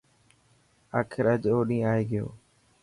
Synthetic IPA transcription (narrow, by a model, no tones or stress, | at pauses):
aːkʰɪɾəd͡ʒoːɗĩːaːeːɡɪjo̰ː